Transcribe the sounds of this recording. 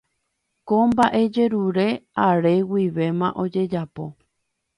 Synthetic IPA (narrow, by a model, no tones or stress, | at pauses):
kombaʔe̞d͡ʒe̞ɾuɾe̞aɾe̞wiʋe̞mãʔo̞d͡ʒe̞d͡ʒapo̞